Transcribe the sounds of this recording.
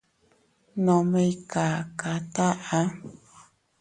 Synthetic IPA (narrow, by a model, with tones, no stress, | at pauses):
nõ˨me˦˧jka˨ka˨t̪a˦ʔa˦